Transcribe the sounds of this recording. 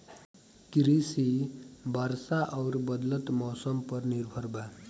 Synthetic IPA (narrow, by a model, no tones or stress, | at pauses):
kɾisibʱaɾsaʔʌwɾbʌd̪lət̪mɔsʌmpʌɾniɾbʱʌɾba